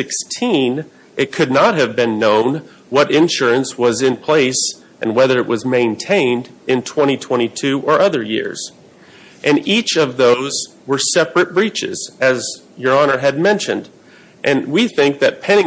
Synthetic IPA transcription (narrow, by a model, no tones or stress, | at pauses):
ɪkstʰĩn | ʔɨt̚kʰɨdⁿnət̚ɦɨvbɨ̃nːõʊ̃n | wʌɾɪ̃nʃʊɹɨ̃nswʌzɨ̃npʰl̥eɪs | ʔɨ̃nwɛðə˞ɨʔ̚wʌzmẽɪ̃ntʰẽɪ̃ndɨ̃ntʰw̥ɛ̃ɾ̃itʰw̥ɛ̃ɾ̃itʰʉʔə˞ʔʌðə˞jɪ̰ɹz̥ | ʔɨ̃nit͡ʃʌvðoʊz | wə˞sɛpɹɨt̚b̥ɹit͡ʃɪ̰z̥ɨz | jə˞ɑñə˞ɨd̚mɛ̃nʃɨ̰̃nd | ʔɨ̃nwiθɪ̃ŋk̚ðɨt̚pʰɛ̃nɪ̃